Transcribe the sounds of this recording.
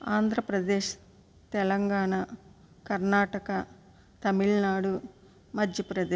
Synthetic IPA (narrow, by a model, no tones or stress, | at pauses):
aːnd̪ʱɾɐpɾɐd̪eːʃ | t̪ɛlɐŋɡaːɳa | kɐɾnaːʈɐkɐ | t̪ɐmiɭnaːɽu | mɐd̪ʱjɐpɾɐd̪eː